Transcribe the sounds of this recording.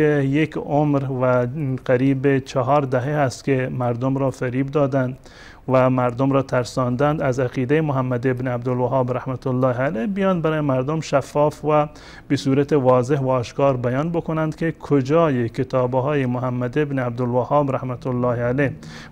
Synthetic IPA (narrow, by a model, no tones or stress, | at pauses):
ejekomɾvæqæɾiːbet͡ʃʰɑɦɒːɾd̪æɦehæst̪kemæɾd̪omɾɒːfæɾiːbd̪ɒːd̪ænd̪ | væmæɾd̪omɾɒːt̪ʰæɾsɒnd̪ænd̪æzæqiːd̪ejemoɦæmːæd̪ebneæbd̪olʋæɦɑːbɾæhmæt̪ʊlːɑːheælehbijɒːnbæɾɑːjemæɾd̪omʃæfːɒːfvæ | besuːɾæt̪eʋɒːzeɦvæɒːʃkɑːɾbæjɑːnbokonænd̪kʰekʰod͡ʒɒːjekʰet̪ʰɒːbɦɒːjemoɦæmːæd̪ebneæb̚d̪olwæhɑːbɾahmat̪ʊlːɑːhaleh